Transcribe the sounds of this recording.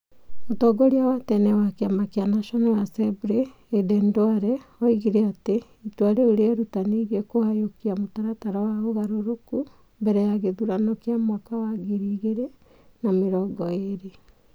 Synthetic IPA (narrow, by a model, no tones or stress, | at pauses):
otɔɡɔɾiawatɛnɛwakeamakeanaʃɔnɛwasɛbuɾeː | dɛndwaɾɛɔiɣiɾeate | itwaɾeoɾeɛɾutaneɣekohajokiamotaɾataɾawaoɣaɾoɾoku | mbɛɾɛjaɣeðuɾanɔkeamwakawaɡeɾiɣeɾe | nameɾɔːɡɔeɾe